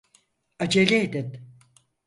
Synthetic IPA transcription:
ad͡ʒelʲeːd̪in

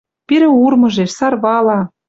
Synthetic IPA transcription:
piɾɘ̆urmɤ̆ʒeʃsɑrβɑlɑ

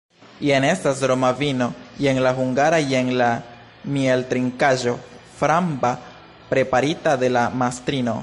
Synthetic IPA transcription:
jene̞stasɾo̞mavino̞je̞ŋlaɦuŋɡaɾajeŋla | mieltɾiŋkaʒo̞ | fɾamba | pɾe̞paɾitade̞lamastɾino̞̰

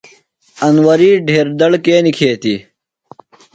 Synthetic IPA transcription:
ɐnwɐɾiːɖʱeːɾd̪ɐɽkeːnikʰeːt̪i

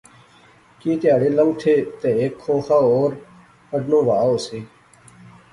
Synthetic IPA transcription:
kiːt̪ɪjaːɽeːləm̚t̪ʰeːt̪ẽːeːkʰːoːxaːoːɾ | əɖnõːʋaːoːseː

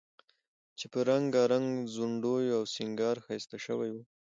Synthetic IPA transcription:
t͡ʃepəɾaŋɡɑɾaŋɡzuɳɖojawsɪŋɡɑɾxɑjst̪aʃəwajwu

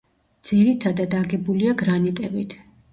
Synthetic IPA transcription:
d̪z̥iɾit̪ʰad̪ad̪aɡɛbuliaɡɾanit̪ʼɛbit̪ʰ

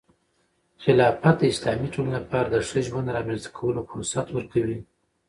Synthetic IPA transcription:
xɪlɑfat̪̚d̪əɪslɑmiʈollapɑɾad̪əʂəʒwand̪ɾɑmenzd̪ḁkʰawəlofʊɾʊsat̪wəɾkawi

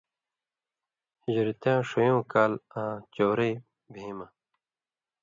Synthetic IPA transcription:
ʑiɾit̪jãːʂojõːkaːlãːt͡ɕoːɾeː | bʱeimɐ

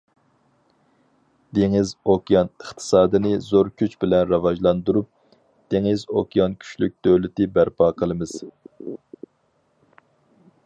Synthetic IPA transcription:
d̪̥eŋɪzokʲijɑnəχt̪ʰɨ̥sɑːd̪ɨnɨzoɾkʲʰyt͡ʃbɪlɛnɾɑvɑʒlˠɑnd̪uɾup̚ | d̪̥eŋɪzokʰʲijɑnkʲʰy̥ʃlyk̚ʲd̪̥øwlɪt̪ɪbæɾpʰɑːqʰəlˠɨmɨz̥

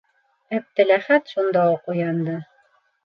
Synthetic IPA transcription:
æb̚t̪ɘ̆læχæt̪ʃund̪ɑuqujɑnd̪ɤ

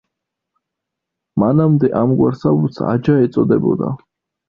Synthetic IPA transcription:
manamd̪ɛʔamɡwaɾsabut̪sa̰d͡ʒaɛt̪sʼɔd̪ɛbɔ̰d̪a̰

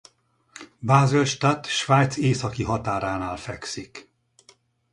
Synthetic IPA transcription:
baːzelʃt̪at̪ʃʋaːjt̪seːsɒkiɦɒt̪aːɾaːnaːlfɛksik

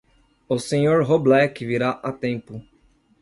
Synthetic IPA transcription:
ʊsẽɲoɾɦoblɛkɪviɾaʔat̪ẽmpʊ

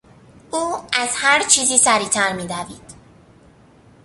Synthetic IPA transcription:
ʔuːæz̥hæɾt͡ʃʰiːziːsæɾiːt̪ʰæɾmiːd̪æviːd̪̥

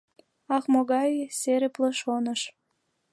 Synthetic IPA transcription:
ɑxmoɣɑjseɾepləʃonəʃ

